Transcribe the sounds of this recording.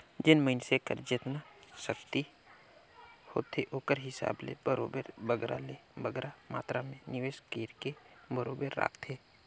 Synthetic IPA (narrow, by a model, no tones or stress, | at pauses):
d͡ʒɪnməɪnsekəɾd͡ʒɪt̪naʃəkt̪i | ho̰ːt̪ʰeʔoːkəɾɦɪsa̰ːblḛbəɾo̰ːbəɾbəɡɾa̰leːbəɡɾama̰ːt̪ɾamẽnɪʋeːʃkeːɾkebəɾoːbəɾːa̰ːkt̪ʰeː